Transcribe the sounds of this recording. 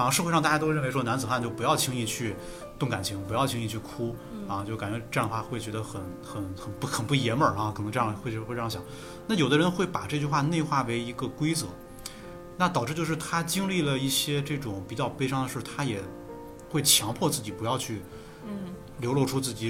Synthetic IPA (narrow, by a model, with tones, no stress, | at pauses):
ʂɤ˥˧wʂɑ˥˧a˥˩˧a˥to˥ɻʂɔ˥na˧˥nt͡sɹ̩˨˩xa˥˧nt͡ɕo˥˩p̬u˧˥jɑ˥˩ʊt͡ɕʰi˧˥ŋi˥˧˩t͡ɕʰy˥˩ | t̪ʊ˥˩ŋka˨˩nt͡ɕʰi˧˥ŋpu˧˥jɑ˥˩ʊt͡ɕʰi˥ŋi˧˩t͡ɕʰy˥˩kʰu˥ɐ˥˧t͡ɕjka˨˩nt͡ɕɥɛ˧˥ʈ͡ʂnəxwa˥˧xwe˥˩ɪt͡ɕɥɛ˧˥ə˧xə˨˩˦n | xə˨˩˦nxə˨˩nu˩xə˨˩npu˥˩jɛ˧˥nmə˞˨˩ɐ˧kʰɤ˨˩ɤ˧˥ŋʈ͡ʂɤ˥˧jɑ˥˩ŋ˩xwe˥˧˥we˥˧ʈ͡ʂɑ˥˩ɕjɑ̰˨˩˦ | na˥˩jo˨˩ʊd̪ə˦ɻə˧˥nxwe˥˩ɪpa˨˩ʈ͡ʂɤ˥˧t͡ɕy˥˧xwa˥˧ne˥˧ɪxwa˥˩we˧˥ɪi˧˥ɡə˧kwe˥ɪt͡sɤ˧˥ | na˥˩t̪ɑ˨˩ʊʈ͡ʂɻ̩˥˧t͡ɕjʊʂɻ̩˥˩t̪ʰa˥t͡ɕi˥ŋli˥˩lə˩i˥˩ɕjɛ˥ʈ͡ʂɤ˥˩ʈ͡ʂʊ˨˩˦ŋpi˨˩t͡ɕjɑ˥˩ʊpe˥ɪʂɑ˥ŋd̪ə˨ʂɻ̩˥˩t̪ʰa˥jɛ˨˩ | xwe˥˩ɪt͡ɕʰjɑ˧˥ŋpʰwɔ˥˧t͡sɹ̩˥˩t͡ɕi˨˩pu˧˥jɑ˥˧ʊt͡ɕʰy˥˩ | ljo˧˥ʊlwɔ˥˧ʈ͡ʂʰu˥t͡sɹ̩˥˩t͡ɕi˨˧˥